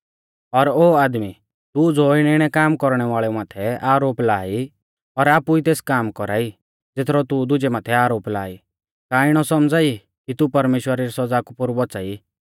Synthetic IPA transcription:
ɔɾoːaːd̪mi | t̪ud͡zoːɪɽɪɽ̃ɛkaːmkɔɾɽ̃ɛʋaːɭɛmaːt̪ʰɛaːɾoːplaːi | ɔɾaːpuit̪eːskaːmkɔɾa̰ːi | d͡zet̪ʰɾɔt̪ud̪ʊd͡ʒɛmaːt̪ʰɛaːɾoːpla̰ːḭ | kaːiɽ̃ɔsɔmd͡zaːi | kit̪upɐɾmeːʃwəɾaɾisɔd͡zakupʊɾbɔt͡saːi

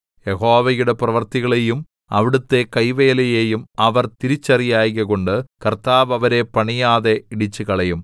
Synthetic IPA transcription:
jeho̞ːʋɐjuɽe̞prɐʋɐrt̪iɣɐɭejum | ɐʋiɽut̪ːe̞kɐjʋe̞ːlɐjeːjumɐʋɐrt̪iɾit͡ɕːɐrijaːjɣɐko̞ɳɖɨkɐrt̪aːʋɐʋɐɾe̞pɐɳijaːðeiɽit͡ɕːɨkɐɭɐjum

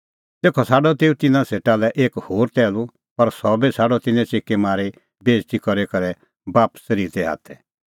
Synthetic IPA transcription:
t̪eːkʰɔsaːɖɔt̪eːũt̪ɪnãseːʈalɛʔeːkhoːɾt̪ɛːlu | pɐɾsɔbesʰaːɖɔt̪ɪnɛ̃t͡ʃeːkːemaːɾe | beːd͡ʒt̪ikɔɾekɐɾɛ | baːpsəɾiːɾt̪ɛa̰ːt̪ʰɛ

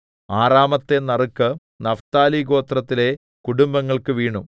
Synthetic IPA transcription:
aːraːmɐt̪ːe̞nɐrukːɨ | nɐft̪aːliɡo̞ːt̪rɐt̪ːile̞ | kuɽumbɐŋːɐɭkɨʋiːɳu

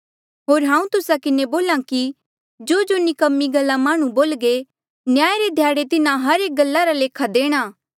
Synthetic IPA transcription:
ɦoːɾɦãːũt̪ʊsakɪneboːlãki | d͡ʒoːd͡ʒonikɐmːiɡɐlːamaːɽ̃ũboːlɡe | njaːeɾed̪ʱjaːɽet̪ɪnãɦɐɾeːk̚ɡɐlːaɾaleːkʰad̪eːɽ̃aː

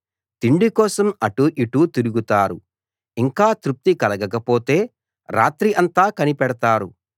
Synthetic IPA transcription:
t̪iɳɖikɔːsɐmɐʈuʔiʈut̪iɾuɡut̪aːɾu | iŋkaːt̪ɾup̚t̪ikɐlɐɡɐkɐpoːt̪e̞ː | ɾa̰ːt̪ɾiʔɐnt̪aːkɐnipɛɽɐt̪aːɾu

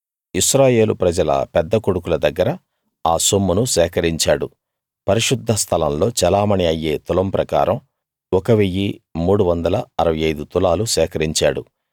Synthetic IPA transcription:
iʃɾaːje̞ːlupɾɐd͡ʒɐlɐ̰pɛd̪ːɐkoɽukulɐd̪ɐɡːɐɾɐ | aːsomːunusɛːkɐɾiɲt͡ʃaːɽu | pɐɾiʂud̪ʱːɐst̪ʰɐlɐmlo̞ːt͡ʃɛlaːmɐɳiɐjːeːt̪ulɐmpɾɐka̰ːɾɐm | ɔkɐʋejːimuːɽuʋɐnd̪ɐlɐɐɾɐʋɐjɐjd̪ut̪ulaːlusɛːkɐɾiɲt͡ʃaːɽṵ

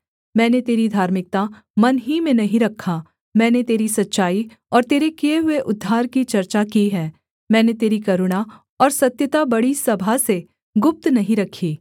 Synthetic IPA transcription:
mɛ̃ːnet̪eːɾid̪ʱaːɾmɪk̚t̪a | mɐnɦimẽnɐɦĩɾɐkʰːa | mɛ̃ːnet̪eːɾisɐtːʃaːi | ɔːɾt̪eːɾekijeɦʊeʔʊd̪ʱːaːɾkit͡ʃɐɾt͡ʃakiɦɛː | mɛ̃ːnet̪eːɾikɐɾʊɽ̃a | ɔːɾsɐt̪jət̪abɐɽisɐbʱase | ɡʊp̚t̪nɐɦĩɾɐkʰːiː

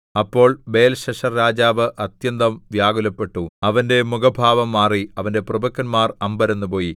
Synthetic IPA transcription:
ɐpːo̞ːɭbe̞jɐlɕɐʂɐrɾaːd͡ʑaːʋɨʔɐt̪jɐnd̪ɐmʋjaːɡulɐpːe̞ʈːuɐʋɐnde̞muɡɐbʱaːʋɐmːaːriɐʋɐnde̞prɐbɐkːɐnmaːrɐmbɐɾenːupo̞ːji

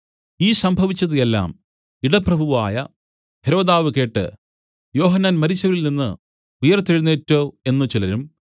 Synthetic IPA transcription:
iːsɐmbʱɐʋit͡ɕːɐðɨjelːa̰ːm | iɽɐprɐbʱuʋa̰ːjɐ̰ | heɾo̞ːd̪aːʋɨke̞ːʈːɨ̰ | jo̞ːɦɐnːanmɐɾit͡ɕːɐʋilninːɨ | ujɐrt̪ːiɻunːetːo̞ːe̞nːɨt͡ɕilɐɾum

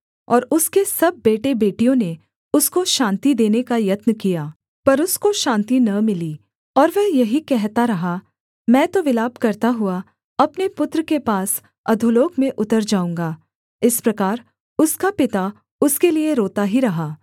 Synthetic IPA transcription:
ɔːɾʊskesɐb̚ːeːʈebeːʈijõne | ʊskoʃãːnt̪id̪eːnekajɐt̪nəkijaː | pɐɾʊskoʃãːnt̪inɐmɪliː | ɔːɾʋɛɦjɐɦikɛɦt̪aɾɐɦa | mɛ̃ːt̪oʋɪlaːbkɐɾt̪aɦʊa | ɐpnepʊt̪ɾəkepaːs | ɐd̪ʱʊloːkmẽʔʊt̪əɾd͡ʒaːũːŋɡaː | ɪspɾɐkaːɾ | ʊskapɪt̪a | ʊskelieɾoːt̪aɦiɾɐɦaː

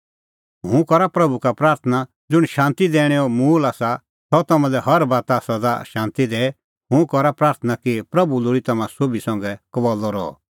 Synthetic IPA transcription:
ɦũkɔɾapɾɐbukapɾaːɾt̪ʰəna | d͡zʊɽ̃ʃãːnt̪id̪eːɽ̃ɛɔmuːlasa | sɔt̪ɐmãlɛɦɐɾbaːt̪asɐd̪a̰ʃãːnt̪id̪ɛːɛ | ɦũkɔɾapɾaːɾt̪ʰənakipɾɐbuloːɾit̪ɐmãsobisɔ̃ŋɡɛkɐʋɔlɔɾɔ̰ɔ̰

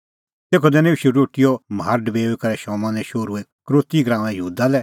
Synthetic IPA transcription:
t̪eːkʰɔd̪ɛ̃ːnẽuʃuɾoːʈɪjɔmɦaːɾɖbeːoikɐɾɛʃɔːmãnɛʃoːɾuɛkɾoːt̪iɡɾãːmɛ̃jəɦuːd̪alɛ

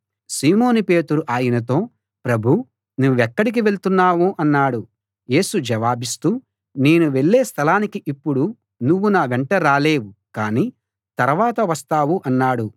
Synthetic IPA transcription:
siːmo̞ːnupe̞ːt̪uɾuʔaːjɐnɐt̪o̞ː | pɾɐbʱu | nuʋuɛkːɐɽik̬iʋe̞ɭt̪unːaːʋuʔɐnːaːɽu | je̞ːsud͡ʒɐʋaːbist̪uː | ne̞ːnuʋe̞ɭːe̞ːst̪ʰɐlaːnikiʔipːuɽu | nuʋːunaːʋeɳʈɐɾaːle̞ːʋukaːniː | t̪ɐɾɐʋaːt̪ɐʋɐst̪aːʋuʔɐnːaːɽu

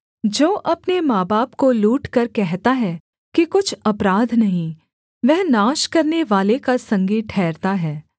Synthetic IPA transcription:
d͡ʒoːʔɐpnemaːbaːpkoluːʈkɐɾkɛɦt̪aɦɛː | kikʊt͡ʃʰɐpɾaːd̪ʱnɐɦĩ | ʋɛɦnaːʃkɐɾneʋaːlekasɐ̃ŋɡiʈʰɛːɾt̪aɦɛː

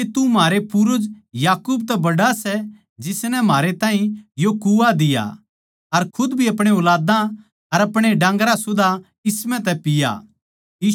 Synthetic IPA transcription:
et̪umaːɾepʊɾʊd͡ʒjaːkuːbt̪ɛbɐɽasɛ | d͡ʒɪsnɛm̤aːɾet̪ãːɦĩjokuad̪ɪja̰ | ɐɾkʰʊd̪bʱiɐpɽ̃eʊlaːd̪ã | ɐɾɐpɽ̃eɖãːŋɡɾãsʊd̪a | ɪsmɛ̃t̪ɛpɪja̰ | iː

